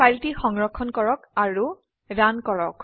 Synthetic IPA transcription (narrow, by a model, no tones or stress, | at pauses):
paltixɔŋɹɔkʰːɔnkɔɹɔkaɹu | dankɔɹɔk